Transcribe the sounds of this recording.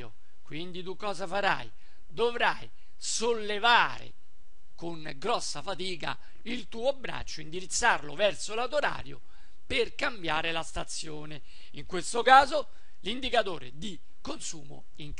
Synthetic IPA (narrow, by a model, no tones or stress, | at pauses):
o̰ | kwind̪it̪ukːɔːzafaɾa̰j | d̪ovɾaj | solːevaːɾḛ | koŋ | ɡɾɔsːafat̪iːka̰ | ilt̪uːobɾa̰t͡ʃːoind̪iɾit̪sːarlovɛrt̪solat̪oɾa̰ːɾjo̰ | perkambjaːɾelast̪at̪sːjoːne | iŋkwest̪okaːzo | lind̪ikat̪oːɾḛd̪i | konsuːmo̰ | iŋ